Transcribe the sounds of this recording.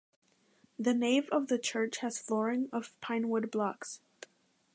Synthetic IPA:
ðɨneɪvʌvðɨt͡ʃʰɜ˞t͡ʃhɨz̥flɔɹɪ̃ŋʌv̥pʰãɪ̃nwʊd̚blɑks

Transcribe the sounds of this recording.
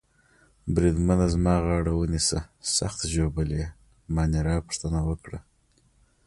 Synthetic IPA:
bɾid̪manazmɑɣɑɽawənisəsa̰xt̪ʒobəle | mɑniɾɑpə̥ʂt̪ənawəkɽa̰

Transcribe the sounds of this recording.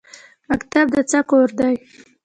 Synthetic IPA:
makt̪ab̚d̪ət͡sakoɾd̪aj

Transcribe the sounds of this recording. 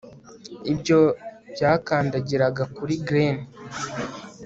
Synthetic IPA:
ibɟo̞b̥jaːkaːndaɟiɾaɡakuɾiɡɾen

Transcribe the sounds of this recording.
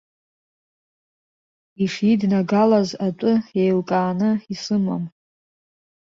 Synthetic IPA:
iʂidnaɡalazatʷʼʊejlkʼaːnɨisɨma̰m

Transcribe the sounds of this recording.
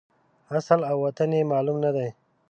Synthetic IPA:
asəlawwɐt̪anemɑːlumnɐd̪aj

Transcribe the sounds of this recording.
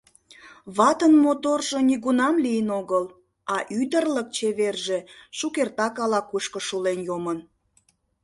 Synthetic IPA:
βɑt̪ənmot̪orʒoniɣunɑmlijənoɣəl | ɑʔyd̪ərlək̚t͡ɕeβerʒeʃukert̪ɑkɑlɑkuʃkəʃulenjomən

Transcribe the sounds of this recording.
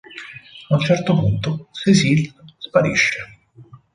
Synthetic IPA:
aunt͡ʃɛrt̪opunt̪osesilspaɾḭʃːe

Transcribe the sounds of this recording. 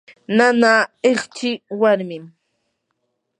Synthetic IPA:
nanaeχt͡ʃɪwaɾmɪm

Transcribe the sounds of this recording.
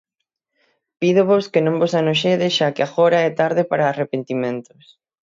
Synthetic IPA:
piðoβoskenõmbosanoʃeðɪʃakeaɣoɾɐɛt̪aɾðɪpaɾaːrepent̪imẽnt̪ʊ̥s

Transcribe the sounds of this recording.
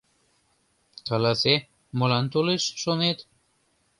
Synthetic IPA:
kɑlɑse | mɤlɑnt̪oleʃːonet̪

